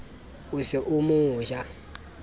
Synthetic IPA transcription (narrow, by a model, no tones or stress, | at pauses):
usɛʔumuːʒa